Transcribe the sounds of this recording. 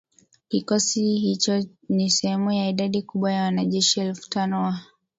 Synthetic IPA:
kikɔsihit͡ʃɔ | nisɛhɛmujaiɗaɗikuɓwajawanaʄɛʃiɛlfu̥tanɔwa

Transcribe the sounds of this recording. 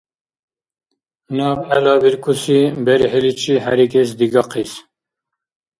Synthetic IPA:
nɑːbɛlɑːbiɾkʰusibɛɾiɦelit͡ʃʰihæɾikes̬d̪iɡɑqʰis

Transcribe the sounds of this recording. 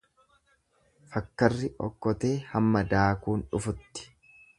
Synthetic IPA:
fɐkːɐrːɪʔɔ̰kːɔt̪e̞ːhɐmːɐd̪aːkuːnᶑʊfʊt̪ːɪ̥

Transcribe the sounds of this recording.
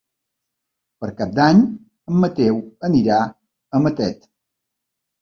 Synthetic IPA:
pəɾkap̚d̪aɲ | əmːət̪ewəniɾa | əmət̪ɛt̪

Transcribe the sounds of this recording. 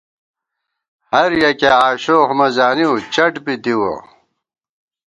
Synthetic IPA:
hɐɾjɐkeaːɕoːhmɐzaːniut͡ɕɐʈbid̪iwo̰

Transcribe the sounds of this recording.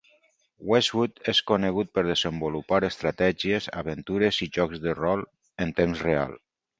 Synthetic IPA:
wezwut̪eskoneɣut̪̚pəɾð̞əzəmbulupaɾəst̪ɾat̪ɛʒieza̰βənt̪uɾeziʒɔkzðərɔlˠ | ənt̪emzrea̰lˠ

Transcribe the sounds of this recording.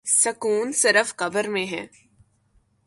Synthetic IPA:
sɐkuːnsɪɾəfkɐbəɾmẽɦɛ̃ː

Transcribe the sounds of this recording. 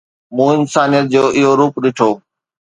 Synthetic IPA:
mũːɪnsaːnijət̪̚d͡ʑoːʔɪɦoɾuːpɗɪʈʰoː

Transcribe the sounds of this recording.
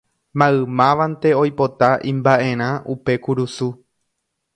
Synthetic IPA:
mãɨmãʋãnt̪e̞o̞jpo̞t̪aʔĩmbaʔẽ̞ɾ̃ãʔupe̞kuɾusu

